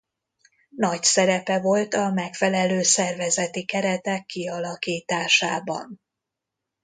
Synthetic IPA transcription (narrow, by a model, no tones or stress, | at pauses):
nɒcsɛɾɛpɛvo̞lt̪ɒmɛkfɛlɛløːsɛrvɛzɛt̪ikɛɾɛt̪ɛkːiɒlɒkiːt̪aːʃaːbɒ̰n